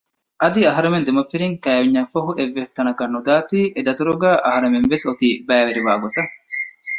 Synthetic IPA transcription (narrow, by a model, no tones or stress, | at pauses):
ʔɐd̪iɐɦɐɾemend̪emɐfiɾiŋkæːʋiɲːɐfɐɦuʔeʋːest̪ɐnɐkɐnːud̪aːt̪iːʔed̪ɐt̪uɾuɡæːʔɐɦɐɾemenʋesot̪iːbæːʋeɾiʋaːɡot̪ɐ